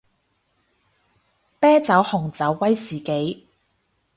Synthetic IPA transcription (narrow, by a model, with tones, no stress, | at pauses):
pɛː˥t͡sɐ˨˥whʊ˨˩ŋt͡sɐ˨˥wːɐ˥jsiː˨˩ke˨˥j